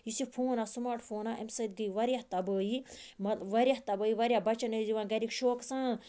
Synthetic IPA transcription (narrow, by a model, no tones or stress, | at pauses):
jisipʰoːnasmaːɾʈpʰoːnaʔemsɐt̪̚ɡəjiʋɐɾjaht̪ɐbəːjimɐʋɐɾʲjaɦt̪ɐbəːiʋɐɾʲjabɐt͡ʃɐnɐziʋãnɡɐɾikʃoːksãː